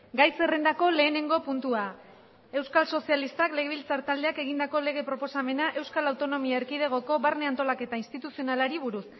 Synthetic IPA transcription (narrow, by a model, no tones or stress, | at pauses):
ɡajse̞re̞nd̪ako̞le̞ːne̞ŋɡo̞punt̪ua | e̞wskalso̞sialist̪akle̞ɣe̞βilt͡saɾt̪ald̪eake̞ɣ̞ind̪ako̞le̞ɣ̞e̞pɾo̞po̞same̞naʔe̞wskalawt̪o̞no̞miaeɾkið̞e̞ɣ̞o̞ko̞βaɾne̞ant̪o̞lake̞t̪ainst̪it̪usio̞nalaɾiβ̞uɾus